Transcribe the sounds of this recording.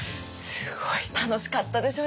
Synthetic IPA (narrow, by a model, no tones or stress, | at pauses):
sɨ̥ɡoit̪ano̞ɕi̥kat̪ːad̪e̞ɕo̞ː